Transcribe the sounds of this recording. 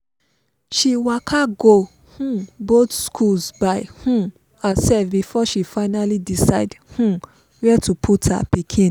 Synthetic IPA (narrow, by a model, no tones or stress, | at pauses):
ʃiwakʰaɡo | hũbot̪skʰulsbajhũ | asɛfbifɔʃifaɪnalidisaɪdhũ | wɛtupʰutha̰pikʰĩn